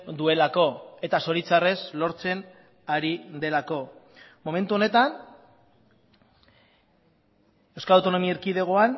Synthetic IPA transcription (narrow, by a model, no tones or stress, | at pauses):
d̪ue̞lako̞e̞t̪aso̞ɾit͡sare̞slo̞ɾt͡se̞n | aɾid̪e̞lako̞ | mo̞me̞nt̪uo̞ne̞t̪an | e̞wskaawt̪o̞no̞miaɾkiðe̞ɣ̞o̞an